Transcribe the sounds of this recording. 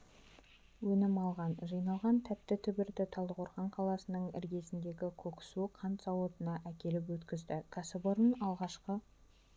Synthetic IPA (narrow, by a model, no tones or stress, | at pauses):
wɵnɪmɑlˠʁɑnʒɯjnɑlˠʁɑnt̪ʰæp̚t̪ɪt̪ʰʏbɪɾd̪ɪt̪ʰɑlˠd̪əqʰoɾχɑɴqʰɑlˠɑsənəɴɪ̰ɾɡʲe̞sɪnd̪e̞ɡʲɪkʲʰɵkʲsuqʰɑnt̪sɑwot̪ənɑʔækʲe̞lɪpwɵt̪kʲɪzd̪ɪkʰasɪboɾənɑlˠʁɑʃqə